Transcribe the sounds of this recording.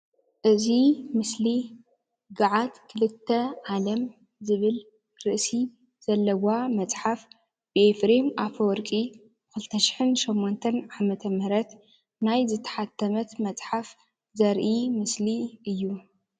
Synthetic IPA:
ʔɨzimɨsli | ɡaʕat̪kʰɨlɨt̪ʰːɐʕalɐm | zɨβɨl | ɾɨʔsi | z̥ɐlːɐwamɐt͡sʼħaf | b̥ɨefɾemʔafowɔɾkʼi | kɨlt̪ʰɐʃɪ̥ħɨnʃomːont̪ʰɐnʕamɐt̪ʰɐmɾɐt̪ | najzɨt̪ʰːɐ̥ħat̪ʰːɐmɐt̪mɐt͡sʼħaf | zɐɾʔimɨsliʔɨjːu

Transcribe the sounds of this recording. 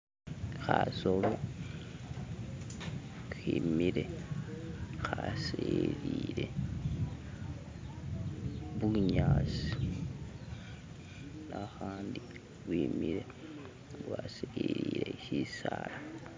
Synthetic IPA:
xasolo | ximiɾe̞ | xaseɾiɾe̞ | βuɲaːsi̥ | naxaːndi | βwimiɾe | βwaseiɾiɾe̞ʃisala

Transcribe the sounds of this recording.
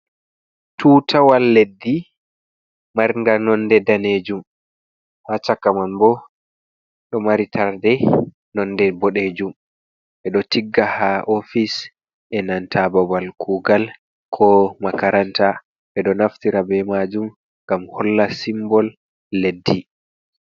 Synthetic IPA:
tʰuːtʰawalːedːi | maɾŋɡanɔndɛdaned͡ʒum | hat͡ʃakːamanbɔ | ɗɔmaɾitʰaɾdɛ | nɔndɛbɔɗeːd͡ʒum | ʔɛɗɔtiɡːahaʔofis | ʔɛnantʰabɔbalkuːɡal | kʰɔmakaɾanta | ʔɛɗɔnaftiɾabɛmad͡ʒum | ŋɡamhɔlːasimbɔlː | edːi

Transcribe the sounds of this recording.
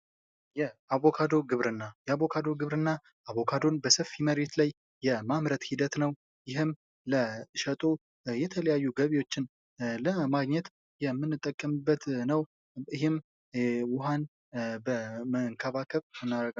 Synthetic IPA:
jɛaβo̞kʰad̪o̞ɾɡɨβɾɨnːajɛaβo̞kʰad̪o̞ɾɡɨβɾɨnːa | aβo̞kʰad̪o̞nbəsəfiməɾe̞t̪lajː | ɛmamɾət̪hid̪ət̪nəw | jɪɦɪm | ləʃət̪ʼo | jɛt̪ʰələjajːuɡəβiwo̞t͡ʃːɪn | ləmaɡɲɛt̪ | jɛmːɨnːɨt̪ʼːəkʼːəmɨbːət̪nəw | ɨɦɪm | wʊɦan | bəməŋkʰəβakʰəβmɨnːaɾəɡa

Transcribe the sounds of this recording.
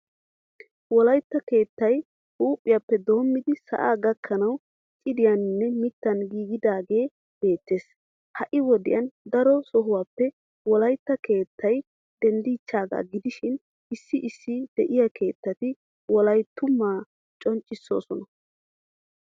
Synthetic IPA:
wɔlɐjt̪ːɐke̞ːt̪ːɐj | huːpʼːɪjapːɛd̪o̞ːmːɪd̪ɪsɐ̰ʔa̰ːɡɐkʰːɐnɐw | t͡ʃʼɪd̪ɪjɐnnːɛmɪt̪ːɐnɡiːɡɪd̪aːɡe̞ː | b̥e̞ːt̪ːe̞ːs | hɐʔɪwɔd̪ɪjɐnd̪ɐɾɔsɔɦʊwaːpːɛ | wɔlɐjt̪ːɐke̞ːt̪ʰːɐj | d̪̥ɛnd̪iːt͡ʃːaːɡa̰ːɡɪd̪ɪʃɪn | ɪsːɪʔɪsːɪd̪̥ɛʔɪjɐke̞ːt̪ːɐt̪ɪ | wɔlɐjt̪ːʊmːaː | t͡ʃʼɔnt͡ʃʼːɪsːo̞̰ːsɔnɐ

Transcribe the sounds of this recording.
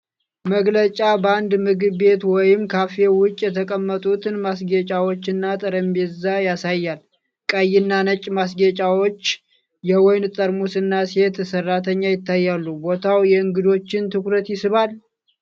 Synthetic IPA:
məɡlət͡ʃʼabəand̪mɨɡɨβːe̞t̪wɔjɪmkʰafe̞wʊt͡ʃʼjɛt̪ʰəkʼəmːət̪ʼut̪ʰɨnmasɡet͡ʃʼawo̞t͡ʃːɨnːat̪ʼɨɾəmbezajasajːal | kʼəjːɪnːanət͡ʃʼmas̬ɡet͡ʃʼawot͡ʃː | jɛwɔjnt̪ʼəɾmusɨnːase̞t̪sərːat̪ʰəɲːajɪt̪ːajːalːubo̞t̪ʰawjɛɨŋɡɨd̪o̞t͡ʃːɪnt̪ʰɨkɾət̪jɪsɨβal

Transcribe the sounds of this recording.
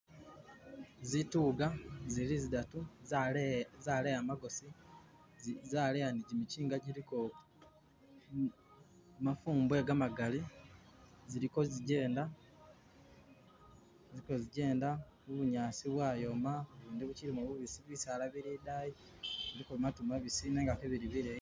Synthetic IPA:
zituːɡazilizidatu | zaːlejamaɡo̞si | zaːlejaniɟimiciːŋɡaɟiɾiko | mafuːmbwe̞ːɡamaɡali | ziɾiko̞ziɟe̞ːnda | ziiko̞ziɟe̞ːnda | uβuɲaːsiβwaːjo̞maoβiːndiβuciɾimuβuβisiβisaːlaβiɾidaji | βiɾikomatumaβisiːneːŋɡakeβiɾiβiɾe

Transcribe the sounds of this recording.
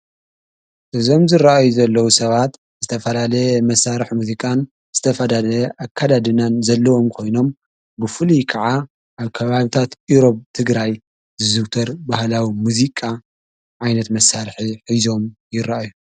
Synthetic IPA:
ʔɨzo̞mzɨɾaʔajuzɐlːɐwusɐβat̪ | zɨt̪ʰɐfɐlalɐjɛmɐsːaɾħmuzikʼan | zɨt̪ʰɐfɐd̪alɐjɛʔakʰːad̪ad̪ɨnanzɐlːɐwo̞mkʰo̞jno̞m | bɨfɨlikʰɐʕa | ʔaβkʰɐβaβit̪ʰat̪iɾo̞bt̪ʰɨɡɾaj | zɨzɨwt̪ʰɐɾbahlawimuzikʼa | ʕajnɐt̪mɐsːaɾħiħizo̞mjɪɾaʔaju

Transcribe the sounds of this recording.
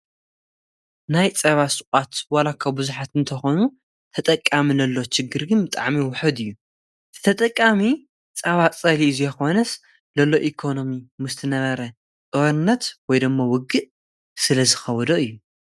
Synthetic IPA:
najt͡sʼɐβasʼɨkʼat̪walakʰabuzuħat̪ɨnt̪ʰɐxonu | t̪ʰɐt̪ʼɐkʼːamilɐlːo̞ʃɪɡːɨɾɡɨnbɨt̪ʼaʕmiwʊħɨd̪ɨjːu̥ | t̪ʰɐt̪ʼɐkʼːami | t͡sʼɐβat͡sʼɐliɨzujɛxo̞nɐs | lɐlːo̞ʔikʰo̞no̞mimɨst̪ʰɨnɐβɐɾɐ | tʼɨβɐnɨnːɐt̪wɔjd̪ɨmːawʊɡːɨʔ | sɨlɐzɨxɐwɔd̪oʔɨjːu

